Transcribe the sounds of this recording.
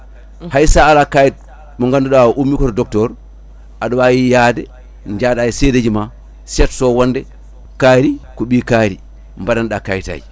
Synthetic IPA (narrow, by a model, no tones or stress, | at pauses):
hajsaːlakajit̚ | mɔŋɡanduɗawʔumːikɔtɔdɔk̚tɔɾ | ʔaɗɔwajijadɛ | d͡ʒadajiseded͡ʒima | sɛtsɔwɔndɛ | kaɾikɔɓikaɾi | mbadanɗakajita̰ːji